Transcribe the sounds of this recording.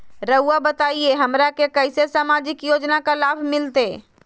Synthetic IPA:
ɾəʊabət̪aːieɦɐmɾakekəɪsesəmaːd͡ʒɪkjoːd͡ʒnakalaːbʱmɪlt̪eː

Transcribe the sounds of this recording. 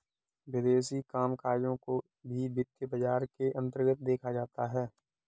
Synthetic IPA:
wɪd̪eːs̬ikaːmkaːɾjõko | bʱibɪt̪jəbəd͡ʒaːɾkeʔɐ̃nt̪̬əɾɡət̪̚d̪eːkʰad͡ʒaːt̪aɦɛː

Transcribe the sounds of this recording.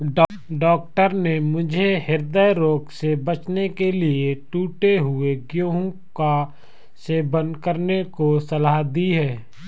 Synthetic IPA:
ɖ | ɖɔːk̚ʈəɾnemʊd͡ʒʱeɦɪɾd̪əjɾoːɡsebət͡ʃnekelieʈuːʈeɦʊeɡjõːɦõka | sebə̃nd̪kəɾnekosɐlad̪iɦɛː

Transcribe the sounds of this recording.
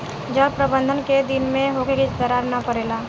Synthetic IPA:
d͡ʒəbpɾəbə̃nd̪ʱənked̪ɪnmẽɦoːɡekit̪əɾaːɾnɐpəɾeːlaː

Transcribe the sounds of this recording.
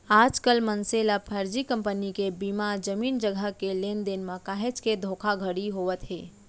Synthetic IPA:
aːd͡ʒkəlmənselapʰəɾd͡ʒikə̃mpənikebimad͡ʒəmiːnd͡ʒəɡʱəkeleːnd̪enmãkaːɦet͡ʃked̪ʱokʰaɡʱəɽiɦoːʋət̪ɦeː

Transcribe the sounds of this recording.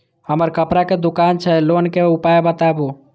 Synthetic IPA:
həməɾkəpɾaked̪ʊkaːnt͡ʃʰɛloːnkeʊpajebət̪aboː

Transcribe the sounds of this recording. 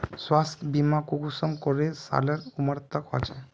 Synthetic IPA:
swast̪bimakukusəmkoɾesa̰ləɾuməɾt̪əkɦɔ̰t͡ʃe

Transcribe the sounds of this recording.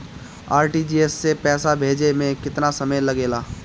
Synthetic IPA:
aːɾʈid͡ʒiːesːepɛːsabʱeːd͡ʒemẽkɪt̪nasɐməjlɐɡeːlaː

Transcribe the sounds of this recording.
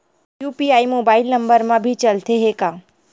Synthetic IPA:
juːpiaːimoːbaːɪlnə̃mbəɾmãbʱit͡ʃɐlt̪eɦekaː

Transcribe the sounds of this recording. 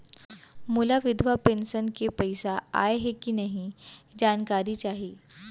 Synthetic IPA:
mulaʋɪd̪ʱʋapẽːnsənkepɛɪsaa̰ːeɦɛkinɐɦĩd͡ʒaːnkaːɾit͡ʃaːɦiiː

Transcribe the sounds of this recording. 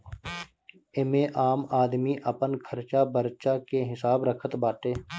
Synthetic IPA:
ɪmẽːʔaːmaːd̪miːʔəpənkʰəɾt͡ʃaːbəɾt͡ʃaːkeɦɪsaːbɾəkʰət̪baːʈeː

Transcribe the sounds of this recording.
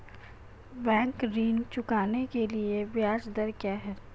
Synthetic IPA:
bɛ̃ːŋkɾiːnt͡ʃʊkaːnekeliebjaːd͡ʒd̪əɾkjaɦɛː

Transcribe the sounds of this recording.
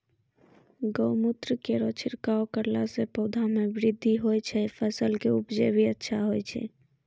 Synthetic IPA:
ɡoʊmʊt̪ɾəkeɾot͡ʃʰɪɾkaokəɾlasepɔːd̪ʱamẽbɾɪd̪ʱːiɦoːɛt͡ʃʰɛpʰəsəlkeʊpd͡ʒebʱiətːʃʰaɦoɛt͡ʃʰɛ̰

